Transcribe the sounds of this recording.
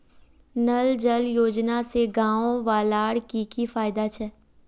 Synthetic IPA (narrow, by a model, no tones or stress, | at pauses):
nɐld͡ʒəljoːd͡ʒnaseɡãːõʋaːlaːɽkikifaːɪd̪at͡ʃʰɛː